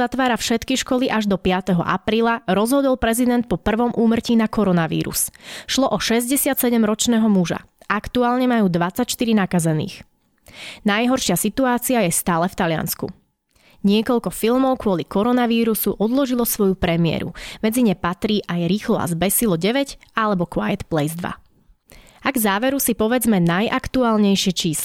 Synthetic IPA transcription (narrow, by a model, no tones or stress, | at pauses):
at̪ʋaːɾafʃɛt̪kiʃkɔliʔaʒd̪ɔpɪat̪ɛɦɔ̰ʔa̰pɾiːlaɾɔzɦɔd̪ɔlˠpɾɛzid̪ɛnt̪̚pɔpr̩ʋɔmʔuːmr̩ciːnakɔɾɔnaʋḭːɾṵsʃlɔʔɔʃɛzɟɛsɪat̪sɛɟɛmɾɔt͡ʃnɛːɦɔmuʒa̰ | ʔakt̪uaːlɲɛmajuːd̪ʋat͡sːacʃt̪iɾinakazɛnḭːx | najɦɔɾʃɪasit̪uaːt͡siajɛst̪aːlɛft̪alɪa̰nskṵ | ɲɪɛkɔʎkɔfilmɔʊkʊɔlikɔɾɔnaʋiːɾusuʔɔd̪lɔʒilɔsʋɔjupɾɛmɪɛ̰ɾṵmɛd͡ziɲɛpat̪ɾiːʔajɾiːxlɔa̰zbɛsilɔɟɛʋɛɟalɛbɔkʊajɛt̪plɛjzd̪ʋa̰ | aɡzaːʋɛɾusipɔʋɛd͡zmɛnajʔakt̪uaːlɲɛjʃɪɛt͡ʃiːslɛ